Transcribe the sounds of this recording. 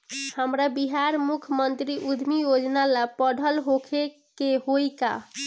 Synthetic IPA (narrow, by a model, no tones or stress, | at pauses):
həmɾabiɦaɾmukʰəmənt̪ɾiʔud̪ʱmijod͡ʒnalapəɽʱəlɦokʰe | keɦojka̰